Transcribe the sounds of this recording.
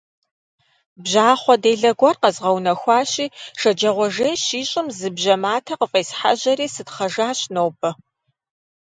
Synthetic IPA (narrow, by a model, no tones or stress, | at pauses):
bʒaːχʷɔdejɮɐɡʷɐrqɐzʁɐwnɐxʷɑːɕiːʂɐd͡ʒɐʁʷɔʒeːʃiːɕʼɪmzɨbʑɐmaːtʰɐqəfʼeːsħa̰ʑɐɾiːsɨtχɐʒaːɕnoːbɐ